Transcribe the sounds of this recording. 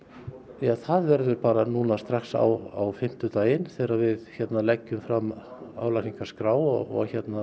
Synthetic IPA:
jaθaðvɛɾðʏɾpaːɾanuːnast̪ɾaxsa̰wa̰wfɪm̥t̪ʏt̪aːjɪnθɛːɾavɪðçɛt̪nalɛcːʏmfɾamːa̰ːwlasiŋkḁskɾaːwɔ̰ɔ̰ɣçɛt̪na

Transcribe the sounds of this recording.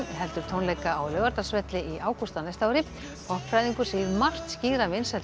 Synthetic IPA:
ðɦɛlt̪ʏɾ̥t̪ʰownlɛjkaːwlœːɣaɾt̪ḁsvɛt̪lɪiʔaːwkust̪anajst̪awɾip | ɔhpfɾajðiŋkʏ̥seːjɪɾmar̥t̪sciːɾavɪnsɛ

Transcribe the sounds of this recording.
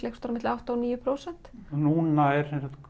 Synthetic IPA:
lɛkst̪ɔɾmɪt̪lawht̪aɔniːjʏpʰɾowsɛn̥t̪nunaɛɾ̥sɛnsat̪

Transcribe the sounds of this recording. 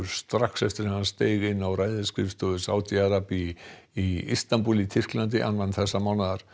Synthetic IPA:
ɾst̪ɾaksɛft̪ɪɾhɛmhanst̪eːjɣɪnːawɾajðɪskɾɪft̪ɔðʏsa̰ːwt̪iaɾapiː | ḭst̪anpulit̪ʰɪr̥klant̪̬ɪʔa̰nvant̪θɛsːamawnaðaɾ̥

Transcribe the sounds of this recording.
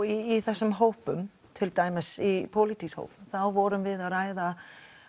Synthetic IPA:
iːθɛsːʏmɦoːwpʏm | t̪ʰɪlt̪aːjmɪsipʰowlit̪ʰisho̰wpθawvɔɾʏmvɪðaɾaːjða

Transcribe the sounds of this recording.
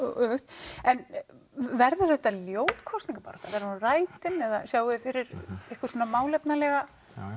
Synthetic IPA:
œxt̪ɛn | vɛɾðʏɾθɛht̪aljoːwt̪kʰɔst̪iŋkapaːɾɛht̪avɛɾraːjt̪ɪnɛða̰sjaːwʏðɪfɪɾɪɾehkʏ̥ɾsoːnamaːwlɛpnalɛɣa

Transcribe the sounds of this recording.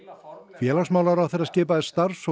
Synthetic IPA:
fjɛːlaksmaːwlaɾawθeɾaðscɪːpaðɛst̪aɾs

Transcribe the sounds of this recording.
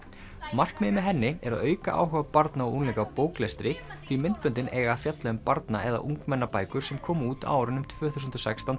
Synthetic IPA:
mar̥kmɪmɪɦɛnːɪɛɾaðœːɥkaʔa̰ːwɦʏvapaɾt̪naɔʔunlɛjkapoːwklɛst̪ɾɪθʰvimɪnt̪̚pʏnt̪ɪnʔeːɣafjat̪lɛʏmpaɾt̪na̰ɛða̰ʔuŋkmɛnːapaːjkʏɾ̥sɛmkʰɔːmuːt̪a̰ːwɾʏnʏmt̪ʰvœːθusʏnt̪ɔsajkst̪ant̪

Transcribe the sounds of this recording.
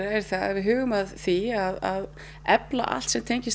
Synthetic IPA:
ɛɾ̥θaa̰ðvɪðɦʏːɣʏmaðθiaðað | ɛpla̰ʔa̰lt̪sɛmt̪ʰejɲcɪs

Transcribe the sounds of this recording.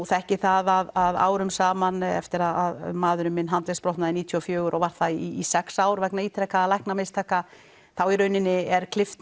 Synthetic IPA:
θaɛhcɪθaðaðaða̰ːwɾʏmsaːmanɛ̰ft̪ɪɾaðaðmaːðʏɾʏmɪnɦant̪lɛspɾɔht̪naðɪniːt̪ʰjɔɔfjœːɣʏɾʔɔɣvaɾ̥θaiːsɛksaːwɾvɛknaiːt̪ʰɾɛkaːlajhknamejst̪ʰaːka | θawiɾœɥnɪnːɪɛɾ̥kʰlɪft̪

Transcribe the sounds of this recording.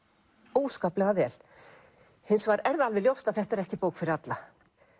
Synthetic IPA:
oːwskaːplɛɣavɛːl̥ | hɪnsvaɾɛɾðalvɪljowst̪aðθɛht̪ɛɾɛhcɪpoːwkfɪɾɪɾat̪la

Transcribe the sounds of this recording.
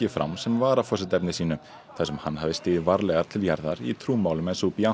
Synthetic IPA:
ɪfɾa̰wmsɛmvaːɾafɔsɪt̪ɛpnɪsiːnʏ | θasɛmhanːhavðɪst̪ɪːðɪvaɾlɛːɣaɾ̥t̪ʰɪljaɾðaɾit̪ʰɾuːmawlʏmɛnsupia

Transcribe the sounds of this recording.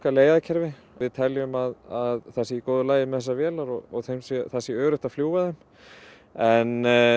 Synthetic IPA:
kaleːjaðcʰɛɾvɪ | vɪðt̪ʰɛljʏmaðaðθɛsɪikowðʏlaːjɪmɛðθɛsːavjɛːlaɾɔɔ̰ɣθejmsɛθɛsːɪœːɣɾʏht̪afljuːvaðɛm | ɛn

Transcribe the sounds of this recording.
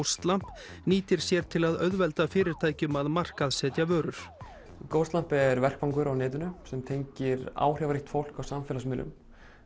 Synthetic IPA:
wst̪lam̥pniːt̪ɪɾ̥sjɛɾ̥t̪ʰɪlaðœðvɛlt̪afɪːɾɪɾ̥t̪ʰaːjcʏmaðmar̥kaðsɛːt̪javœːɾʏɾ̥ | kowst̪lam̥pɛɾvɛr̥kvaŋkʏɾawnɪːt̪̬ʏnʏsɛmt̪ʰejɲcɪɾa̰ːwr̥javaɾɪxt̪fowl̥kawsamfɛlasmɪːlʏ̰m

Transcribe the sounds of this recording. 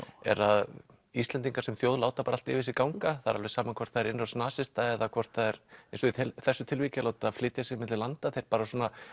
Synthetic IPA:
ɛ̰ɾað | ist̪lɛnt̪iŋkaɾ̥sɛmθjoːwðlaːwt̪apaːɾalt̪ɪːvɪsɪkawŋkaθaɾalvɛsaːmankʰvɔr̥t̪θaðɛɾɪnɾasnaːsɪst̪aɛðakʰvɔr̥t̪θaðɛɾejnsɔiθɛsːʏt̪ʰɪlvicɪlaːwt̪aaðflɪːt̪jasɪmɪt̪lɪlant̪aθejɾ̥paːɾasɔːna

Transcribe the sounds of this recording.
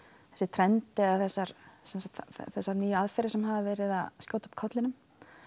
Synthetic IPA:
θɛ̥sːɪt̪ʰɾɛnt̪ɪaθɛsːaɾ̥sɛnsat̪θɛsːaɾnyːjaðfɛɾɪsɛmɦaðavɛːɾɪða̰ðscjoːwt̪ḁpkʰɔt̪lɪnʏm

